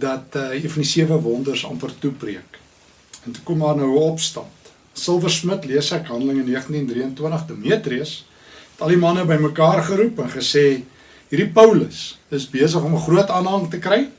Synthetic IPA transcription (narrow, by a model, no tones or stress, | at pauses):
dɐtːɦirfɐndisiəvəvɔndərsɐ̰npərtupriək | ɛntu̥kɔmdɑːrnəwəɔpstɐ̰nt | səlˠvərsmətliəsækɦɐndələŋənːiəχəntindriəntwəntəχdəmiətriəs | ɛtɐlimɐnəbəjməkɑːrχəɾupənχəseː | ɦiːrɾipəwləsəsbiəs̬əχɔməχruətɑːnɦɐŋtəkrɛj